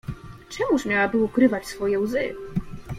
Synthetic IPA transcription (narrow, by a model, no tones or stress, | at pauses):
t͡ʂɛmuʂmʲjawabɘukɾɘvat͡ɕsfɔjɛwzɘ̰